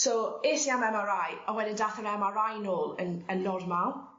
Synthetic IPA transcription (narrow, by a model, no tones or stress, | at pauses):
sɔesiamɛmaɾajɔwɛdɪndaθənɛmarajnoːlˠə̰nənːɔdmaw